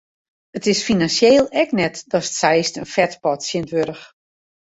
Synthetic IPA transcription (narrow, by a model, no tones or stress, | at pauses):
ətɪsfinansjeːlˠɛknɛtd̥ɔsə̥tsɛjstənfɛtpɔtsjɪntʋøɾəx